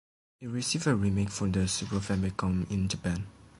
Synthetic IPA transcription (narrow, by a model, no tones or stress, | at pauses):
iɹisivəɹimekfɔ̃dəsibəfɛ̃mlkɔ̃mĩnd͡ʒəpɛ̃n